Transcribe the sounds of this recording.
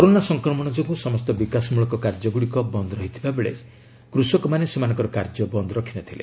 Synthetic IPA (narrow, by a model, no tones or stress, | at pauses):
kɔɾonasɔŋkɾɔmɔɽ̃ɔd͡ʒoɡusɔmɔst̪ɔbikasɔmuɭɔkɔkaɾd͡ʒɔɡuɽikɔbɔnd̪ɔɾɔɦit̪ʰibabeɭḛ | kɾusɔkɔmanesemanɔŋkɔɾɔkaɾd͡ʒɔbɔnd̪ɔɾɔkʰinɔt̪ʰilḛ